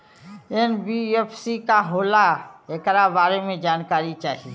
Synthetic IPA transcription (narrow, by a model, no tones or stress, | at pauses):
ɛnbieːpsikaɦoːlaeːkɾabaːɾemẽd͡ʒaːnkaːɾit͡ʃaːɦie